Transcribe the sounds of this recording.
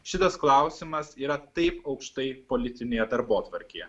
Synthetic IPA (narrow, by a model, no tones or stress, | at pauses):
ʃʲɪt̪ɐsklˠɐˑʊsʲɪmɐsiːɾɐt̪ɐɪpɒʊkʃt̪ɐɪpolʲɪt̪ʲɪnʲeːjɛd̪ɐɾboːt̪ʋɐɾʲkʲejɛ